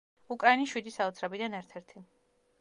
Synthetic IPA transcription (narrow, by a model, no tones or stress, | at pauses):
ukʼɾainisʃwid̪isaɔt̪sʰɾɛbid̪anɛɾt̪ʰɛɾt̪ʰi